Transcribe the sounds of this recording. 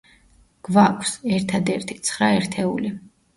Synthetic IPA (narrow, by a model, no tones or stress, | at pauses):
ɡ̥vakʷʰsɛɾt̪ʰad̪ɛɾt̪ʰi̥t̪sʰχɾaɛɾt̪ʰɛuli